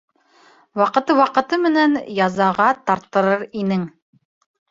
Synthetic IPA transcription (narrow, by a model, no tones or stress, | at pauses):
wɑqɤ̆t̪ɤwɑqɤ̆t̪ɤmɘ̆nænjɑzɑʁɑt̪ɑɾt̪ːɤ̆ɾɤɾinɘŋ